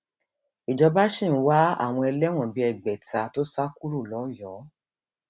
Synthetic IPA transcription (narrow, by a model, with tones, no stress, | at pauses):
i˨d͡ʒɔ˧ba˦ʃi˦˨ñ̩˦wa˦a̰˨w̃ɔ̃˧ɛ˧lɛ˦w̃ɔ̃˦˨bi˧˦ɛ˨ɡ͡bɛ˨ta˧to˦sa˦ku˦ɾu˦˨lɔ˨˦jɔ˨˦